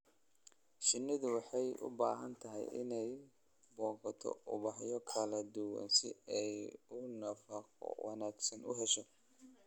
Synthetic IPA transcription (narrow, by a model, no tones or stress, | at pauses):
ʃɪnːɪðʊwɑħɑjʊ̰baːɦɐnt̪ʰɐɦɛ̰jʔɪ̰nɛj | bɔːqɑt̪ʰɔ̰ʊ̰βɑħjɔkʰɐlɐd̪ʊwɑ̰nsɪ̰ɛjʊnɐfɑqɔ̰wɑ̰naːɡsɐnʊɦɛʃɔ